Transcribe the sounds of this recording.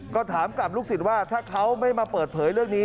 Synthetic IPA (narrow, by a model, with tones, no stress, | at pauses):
kɔː˥˩t̪ʰaː˩˦mkla˨˩p̚luː˥˩k̚si˨˩t̪̚waː˥˩t̪ʰaː˥˩kʰa˦˥wma˥˩jmaː˧pɤː˨˩t̪̚pʰɤː˩˦jɾɯ˥˩əŋniː˦˥